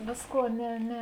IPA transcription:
ˈʋʲeːsˌkuɔ ˈnʲɛ ˈnʲɛ

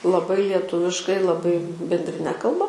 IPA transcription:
lˠɐˈbɐɪ lʲiɛˈtʊʋʲɪʃkɐɪ lˠɐˈbɐɪ bʲɛnʲdʲrʲɪˈnʲɛ kɐlˠˈbɐ

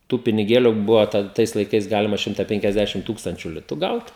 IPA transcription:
tuː pʲɪnʲɪˈɡʲeːlʲʊ ˈbʊʋɐ ˈtɐt ˈtɐɪs lˠɐɪˈkɐɪs ˈɡɑːlʲɪmɐ ˈʃʲɪmtɐ pʲɛŋʲkʲɛzʲˈdʲæːʃʲɪm ˈtuːkstɐnʲt͡ʃʲʊ ˈlʲɪtʊ ˈɡɐʊt

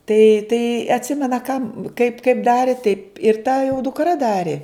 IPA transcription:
tɐɪ tɐɪ ɐtʲˈsʲɪmʲɛnɐ kɐm kɐɪp kɐɪp ˈdɑːrʲɪ tɐɪp ɪr tɐ jɛʊ dʊkˈrɐ ˈdɑːrʲɪ

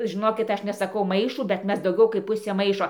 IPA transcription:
ʒʲɪˈnoːkʲɪt ˈɐʃ nʲɛsɐˈkɐʊ ˈmɐɪʃuː bʲɛt ˈmʲɛs dɐʊˈɡʲɛʊ kɐɪp ˈpʊsʲeː ˈmɐɪʃoː

